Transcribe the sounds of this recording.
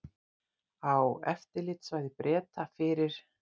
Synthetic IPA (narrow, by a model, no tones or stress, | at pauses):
awɛ̰ft̪ɪɾlɪːt̪svaːjðɪpɾʔɛːt̪afɪːɾɪɾ̥